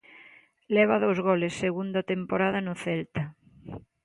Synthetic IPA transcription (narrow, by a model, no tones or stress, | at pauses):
lɛβ̞aðowzɣɔlesːeɣund̪at̪empoɾað̞anoθɛlt̪a